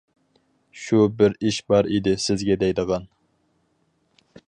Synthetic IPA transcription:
ʃubɪɾiʃbɑɾid̪ɪsɪzɡʲɛd̪ɛjd̪əʁɑn

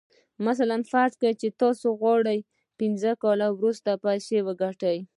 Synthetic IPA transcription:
mas̬alanfaɾt̪kajt͡ʃet̪ɑsoɣwɑɽəj | pɪnzəkɑlawɾust̪apajsewəɡaʈəj

